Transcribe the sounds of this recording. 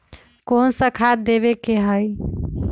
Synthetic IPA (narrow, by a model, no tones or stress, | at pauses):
konsəkʰad̪eβekeɦəj